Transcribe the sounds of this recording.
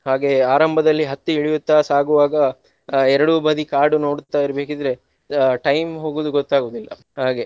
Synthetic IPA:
haːɡe̞aːɾɐmbʱɐd̪ɐlːiɦɐt̪ːiiɭijut̪ːaːsaːɡuʋaːɡɐ | ɛɾɐɽubɐd̪ikaːɾɖuno̞ːɽt̪ːaːjiɾɐbeːkid̪ɐɾe̞ | ʈɐjmɦoːɡuːd̪uɡɔt̪ːaːɡuːd̪ilːɐ | haːɡe̞

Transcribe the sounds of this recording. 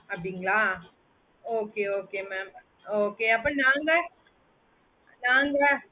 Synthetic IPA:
ɐpɽiŋɡɐɭaː | oːkeːoːkeːmɛːm | oːkeːɐpːõnãːŋɡɐ | naːŋɡɐ

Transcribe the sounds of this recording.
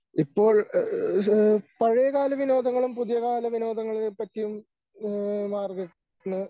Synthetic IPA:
ipːo̞ːɭ | pɐɻijɐkaːlɐʋino̞ːd̪ʱɐŋːɐɭumpuðijɐɣaːlɐʋino̞ːd̪ʱɐŋːɐɭiepːɐtːijum | maːrɡeʈ | nɨ

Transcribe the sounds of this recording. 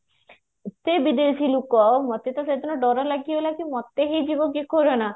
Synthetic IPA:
t̪ebid̪eʃilukɔmɔt̪ːet̪ased̪ɔnɔɖɔɾalaɡiolakimɔt̪ːeɦejd͡ʑibokikoɾena

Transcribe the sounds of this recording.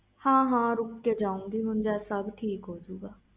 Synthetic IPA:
hãːɦãːɾʊkːed͡ʒaːũːŋɡiːɦʊnd͡ʒɛːsəbʈʰiːkɦoːd͡ʒuːɡaː

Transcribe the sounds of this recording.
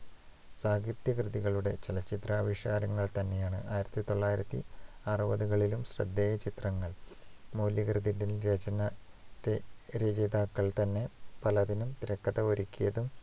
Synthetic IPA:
saːɡit̪jɐkrɨðiɣɐɭuɽe̞̰t͡ɕelɐt͡ɕːit̪raːʋiʂaːɾɐŋːɐɭt̪ɐnːe̞jaːɳɨ̰ʔaːjiɾɐt̪ːit̪o̞ɭːaːjiɾɐt̪ːiɐrɨbɐðuɣɐɭilumɕrɐ̰d̪ːeːjɐt͡ɕit̪rɐŋːɐɭmoːljɐkrɨðindenɾet͡ɕɐnɐɾeɾeːd͡ʑed̪aːkːɐɭt̪ɐnːe̞pɐlɐðinumt̪iɾɐkːɐðɐoɾikʲːijɐðum

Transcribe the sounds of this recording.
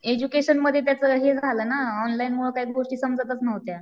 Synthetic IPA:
ed͡ʑukeɕənməd̪ʱjet̪jat͡səːɦed͡zʱaləːnaɔnlainmuɭəkaɦiːɡʱoʂʈiːsəmd͡zət̪ət͡snəʋt̪ja

